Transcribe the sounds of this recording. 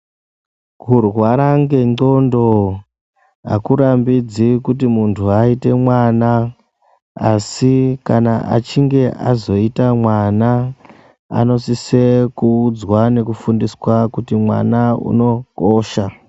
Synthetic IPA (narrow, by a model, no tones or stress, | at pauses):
kurwwaɾaŋɡeo̞ndo̞ | a̰kuɾambid͡zikutimuntʰuaite̞mwana | asikanaʔa̰t͡ʃiŋɡe̞ʔa̰zo̞itamwana | a̰no̞sisekuːd͡zwane̞kufundiswakutimwa̰naṵno̞koːʃa